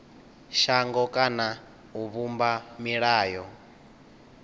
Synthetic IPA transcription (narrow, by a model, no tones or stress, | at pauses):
ʃaŋɡɔkʼana | uβumbamiɺaːjɔ